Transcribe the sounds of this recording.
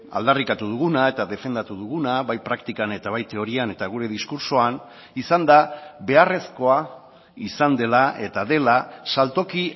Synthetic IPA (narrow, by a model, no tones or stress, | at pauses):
a̰ld̪arikat̪uð̞uɣunae̞t̪aðe̞fe̞nd̪at̪uðuɣunaβajpɾakt̪ikane̞t̪aβajt̪e̞o̞ɾiane̞t̪aɣuɾe̞ðiskuɾsoan | isand̪aβe̞are̞sko̞a | isand̪e̞laʔe̞t̪aðe̞lasalt̪o̞ki